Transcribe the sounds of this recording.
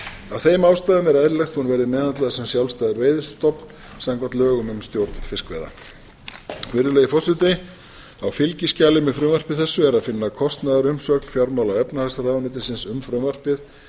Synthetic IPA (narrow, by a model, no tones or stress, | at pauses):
awθejmaːwst̪aːðʏmɛɾɛðɾɪlɛxt̪hunvɛːɾɪmɛːðant̪laðsɛmsjawlst̪aːðɪɾveːjðɪst̪ɔpn | samkvat̪lœːɣʏmʏmst̪jowɾt̪n̥fɪskvɛ̰ːða̰ | vɪɾðʏlɛːjɪfɔsɪt̪ɪ | awfɪlcɪscaːlɪmɪfɾʏːmvar̥pɪð̥θɛsːʏɛɾaðfɪnːakʰɔst̪naðaɾʏmsœknfjawɾmawlawɛpnahasaɾaːðanɪt̪ɪsɪnsʏmfɾʏːmvar̥pɪð